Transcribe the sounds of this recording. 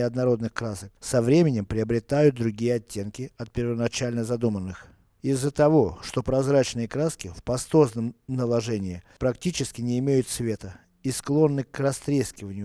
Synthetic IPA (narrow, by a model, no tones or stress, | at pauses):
ɪɐd̪nɐɾo̞d̪nɨxkɾasək̚sɐvɾʲemʲɪnʲɪmpɾʲɪəbɾʲɪt̪ajʊt̪̚d̪ɾʊɡʲijəɐtʲːe̞nkʲɪɐt̪̚pʲɪɾvənɐt͡ɕalʲnəzɐd̪umənːɨx | ɪzːət̪ɐvo̞ʂt̪o̞pɾɐzɾat͡ɕnɨjəkɾaskʲɪfpɐst̪o̞znəmnəlˠɐʐɛnʲɪɪpɾɐktʲit͡ɕɪskʲɪnʲɪːmʲejʊt̪svʲe̞t̪ə | isklˠo̞nːɨkrɐst̪ɾʲeskʲɪvənʲɪjʊ